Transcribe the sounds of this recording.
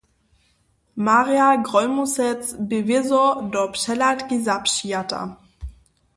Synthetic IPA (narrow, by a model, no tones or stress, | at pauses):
maʁijaɡʁɔlmusɛt͡sbevɪzɔdɔpʃɛlatɡ̥izapʃiata̰